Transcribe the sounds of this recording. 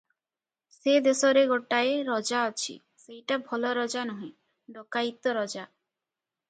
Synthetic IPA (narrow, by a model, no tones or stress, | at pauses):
sed̪esɔɾeɡoʈaeɾɔd͡ʒaɔt͡ʃʰḭ | sejʈabʱɔlɔɾɔd͡ʒanɔɦĩ | ɖɔkajt̪ɔɾɔd͡ʒa